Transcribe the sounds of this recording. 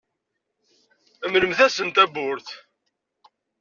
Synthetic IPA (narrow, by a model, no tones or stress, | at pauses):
əmləmθæsənt̪æbʊɾθ